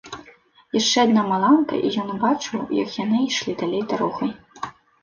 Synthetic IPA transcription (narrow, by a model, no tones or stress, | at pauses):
jaʂt͡ʂɛad̪namalˠankɐ̰ʔḭjɔnbat͡ʂɨwjɐ̰kjanɨiʂlʲid̪alʲejd̪aɾɔxɐj